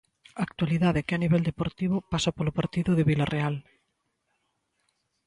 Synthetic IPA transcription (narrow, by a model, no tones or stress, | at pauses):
aːk̚t̪waliðaðekeaniβɛld̪epoɾt̪iβ̞ʊpasapolopaɾt̪iðʊðeβilarʔeal